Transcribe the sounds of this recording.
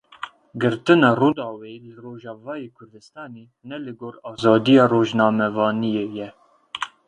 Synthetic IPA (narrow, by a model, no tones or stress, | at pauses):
ɡɨɾt̪ɨnɑːroːd̪ɑːwelɨroːʒɑːvɑːjeːkʰʊɾd̪ɨst̪ɑːneː | nɛlɨɡoːɾɑːzɑːd̪ijɑːroːʒnɑːmɛvɑːnijejɛ